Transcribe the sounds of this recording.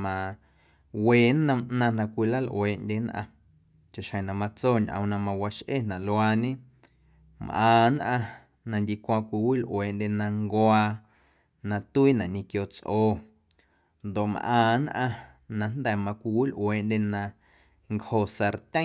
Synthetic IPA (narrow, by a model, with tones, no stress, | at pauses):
mã˧ | weː˨nə̃˧mʔnã˧nã˧kʷi˧la˦˨lʔweː˨ʔndʲe˧nʔã̰˧ | t͡ʃa˨ʃhə̃˨nã˨mã˧t͡soː˦˨ɲʔə̰̃˨˧nã˧mã˧wa˧ʃʔḛ˦˨nã˨lwaː˧ɲẽ˦ | mʔãː˨nʔã˧ | nã˧ndʲi˧kʷãː˧kʷi˧wi˦˨lʔweː˨ʔndʲe˧nã˧ŋɡwaː˧ | nã˧t̪u˦iː˦nã˨ʔɲĩ˧kjo˧t͡sʔoː˧˨ | nd̪o˨ʔmʔãː˧˨nʔã˧ | nã˧nd̪ɛ˦˨mã˧kʷi˧wi˦˨lʔweː˨ʔndʲe˧nã˧ | ŋkho˨sa˧ɾt̪ʲə̃˦